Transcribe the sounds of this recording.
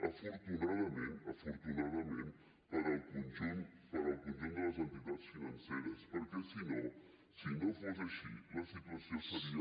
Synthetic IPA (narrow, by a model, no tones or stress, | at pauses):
ɐfoɾt̪unaðɐmẽnt̪ɐfoɾt̪unaðɐmẽnt̪ | pɐɾɐlkund͡ʒumpɐɾɐlkũnd͡ʒumd̪əlɐz̬ɐ̃nt̪it̪at̪sfinɐnseɾəspəɾkesino | sinofɔʒeʃḭlɐsit̪uɐsiõsɐɾi